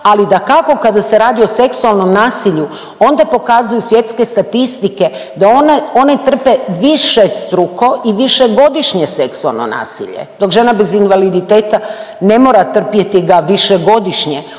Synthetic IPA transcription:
alid̪akako̞kad̪ase̞ɾaːd̪io̞se̞ksualˠno̞mnaːsiʎu | o̞nd̪apo̞kazujusʋje̞t̪ske̞st̪at̪ist̪ike̞d̪aono̞net̪r̩peʋiʃest̪ɾuko̞ʔiʋiʃe̞ɡo̞d̪iʃɲese̞ksua̰lˠno̰na̰ːsḭʎḛd̪̥o̞kʒe̞nabe̞zinʋalid̪it̪e̞ːt̪ane̞mo̞ːɾat̪r̩pjet̪iɡaʋiʃeɡo̞d̪iʃɲe

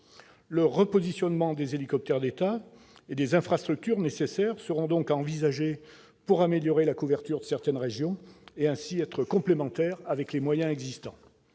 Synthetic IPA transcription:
ləʁəpɔzisjɔnmɑ̃d̪ezelikɔp̚t̪ɛʁd̪et̪a | ed̪ezɛ̃fχast̪χyk̚t̪yʁnesesɛʁsəʁɔ̃d̪ɔ̃kɑ̃vizaʒe | puʁameljɔʁelakuvɛʁt̪yʁd̪əsɛʁt̪ɛnʁeʒjɔ̃eɛ̃siɛt̪χəkɔ̃plemɑ̃t̪ɛʁavɛklemwajɛ̃ɛɡzist̪ɑ̃

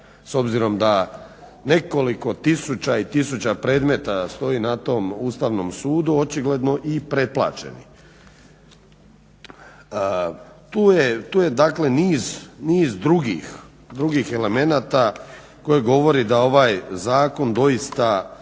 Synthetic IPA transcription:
so̞bziɾo̞md̪a | ne̞ko̞liko̞t̪isut͡ɕait̪isut͡ɕapɾe̞ːd̪me̞t̪ast̪o̞jiːnat̪o̞must̪aːʋno̞msuːd̪uot͡ʃiɡle̞d̪no̞ʔipɾe̞plˠa̰ːt͡ʃe̞̰nḭ | t̪uːjet̪uːje̞d̪akle̞niːzniːzd̪ɾuɡḭx | d̪ɾuɡixe̞leme̞naːt̪a | ko̞jeɡo̞ʋo̞ɾid̪ao̞ʋaːjzaːko̞nd̪o̞jist̪a

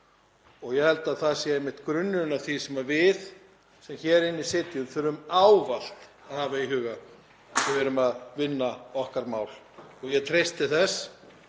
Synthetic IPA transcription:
ɔɣjɛhɛlt̪aðθaðsjɛɛmɪht̪kɾʏnːʏnaθisɛmaɾvɪð | sɛmçɛːɾɪnːisɪt̪jʏmθʏɾʏmaːwval̥t̪ | aðhaːvaiɦʏːɣa | ɪvɛːɾʏmaðvɪnːaɔhkaɾmaːwl | ɔɣjɛt̪ʰɾejst̪ɪθɛs

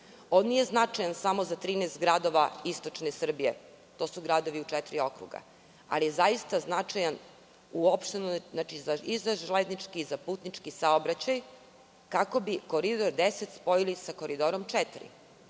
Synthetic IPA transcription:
onnije̞znat͡ʂajansamozat̪ɾiːnest̪ɡɾad̪o̞ʋaist̪o̞t͡ʃnesr̩bije | t̪o̞suɡɾad̪o̞ʋiut͡ʂɛt̪ɾio̞kɾṵɡa̰ | a̰lijezaist̪aznat͡ʂajan | uopʃt̪enoat͡ʃizaizaʒled̪nit͡ʂkizapuːt̪nit͡ʃkisaobɾat͡ɕaj | kako̞bikoɾid̪o̞ɾd̪eset̪spo̞jilisako̞ɾid̪oɾo̞mt͡ʂɛt̪ɾḭ

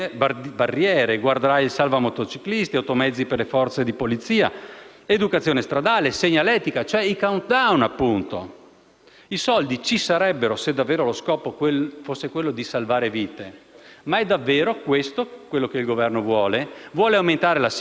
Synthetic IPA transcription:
barːjɛːɾeɡward̪eɾailsalvamot̪ot͡ʃiklist̪iawt̪omɛd̪zːiperlefɔrt̪sed̪ipolit̪sːiːa̰ | ed̪ukat̪sjoːnest̪ɾad̪aːleseɲːalɛːt̪ikat͡ʃoɛikawnt̪̚d̪awnapːunt̪o̰ | isɔld̪it͡ʃisaɾɛbːeɾosed̪ːavːeːɾoloskɔːpokefosːekwelːod̪isalvaːɾeviːt̪emaɛd̪ːavːeːɾokwest̪okwelːokeilɡovɛrnovwɔːlevwɔːleawment̪aːɾelas

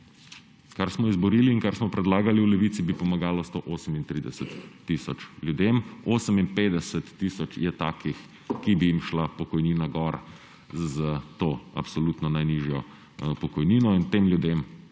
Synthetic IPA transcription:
kaɾsmɔizbɔɾiliːnkaɾsmɔpɾɛd̪laːɡaliwlɛʋit̪sibipɔmaɡaːlɔst̪oʔoːsəmint̪ɾiːd̪ɛsət̪ː | iːsɔt͡ʃlʲjud̪emoːsəminpeːd̪ɛsɛt̪ːiːsɔt͡ʃjɛt̪aːkix | kibijimʃlapɔkɔjniːnaɡɔɾ | zət̪oːa̰psɔluːt̪nɔnajniʒjɔ | pɔkɔjniːnɔint̪emljud̪em

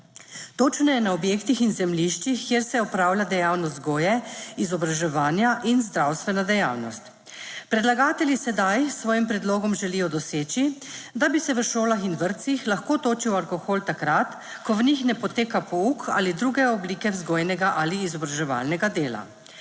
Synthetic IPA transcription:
t̪oːt͡ʃnɔjɛnaɔbjeːkt̪ixinzɛmliʃt͡ʃixkjeːɾsɛɔpɾawljad̪ɛjawnɔsɡoːjɛizɔbɾaʒɛʋaːnjaʔinzd̪ɾawst̪ʋɛnad̪ɛjaːwnɔst̪ | pɾɛd̪laɡaːt̪ɛlʲjisɛd̪ajsʋɔːjimpɾɛd̪loːɡɔmʒɛlijɔd̪ɔseːt͡ʃid̪abisɛʋəʃoːlaxinʋəɾt̪sixlaxkoːt̪oːt͡ʃiwalkɔxoːlt̪akɾat̪ | kɔʋnixnɛpɔt̪eːkapɔuka̰ːlid̪ɾuːɡɛɔbliːkɛwzɡoːjnɛɡaʔaliːzɔbɾaʒɛʋa̰ːlnɛɡad̪eːla̰

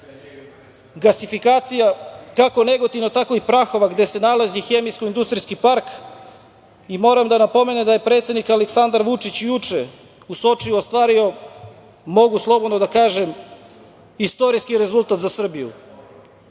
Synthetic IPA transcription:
ɡlasifikaːt̪sijakako̞ne̞ɡot̪ivnot̪akoipɾaxo̞ʋaɡd̪e̞se̞nalazixe̞mijskoind̪ust̪ɾijskipaɾk | imo̞ːɾamd̪anapo̞me̞ned̪aje̞pɾe̞t̪sed̪nikaleksand̪aɾʋut͡ʂit͡ɕjut͡ʂe | uso̞t͡ʂiuost̪ʋaːɾio̞ | mo̞ɡuslˠo̞bo̞d̪nod̪akaːʒem | ist̪o̞ɾiskiɾe̞zulˠt̪at̪zasr̩bijṵ

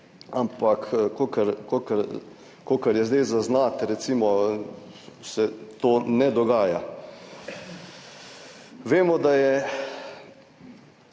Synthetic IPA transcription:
ampakkokəɾkokəɾ | koːkɐɾjɛzd̪ɛjzaznaːt̪ɾɛt̪simɔ | sɛt̪oːnɛd̪ɔɡaːja̰ | ʋeːmɔd̪ajɛ

